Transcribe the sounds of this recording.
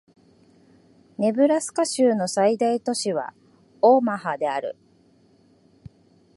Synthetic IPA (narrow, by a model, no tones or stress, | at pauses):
ne̞bɯ̟ɾasɨ̥kaɕɨːno̞said̪ait̪o̞ɕiβ̞a̰ | oːmaɦad̪e̞aɾɯ̟̰